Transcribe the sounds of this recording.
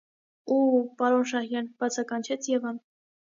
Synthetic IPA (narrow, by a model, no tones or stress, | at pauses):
upɑɾɔnʃɑhjɑnb̥ɑt͡sʰɑkɑnt͡ʃʰɛt͡sʰjɛvɑn